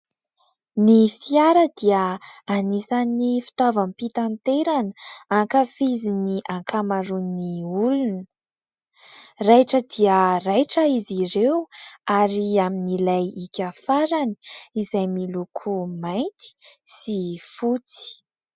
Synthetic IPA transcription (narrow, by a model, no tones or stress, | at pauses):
nifiaɾəd̪iəanisanifi̥t̪avampit̪ant̪eɾanəaŋkafiziniʔaŋkʰamaɾunniulunə | rajʈ͡ʂəd̪iərajʈ͡ʂəiziɾewaɾiaminilajikʲafaɾani̥izajmilukʰumajnt̪i̥sifut͡si̥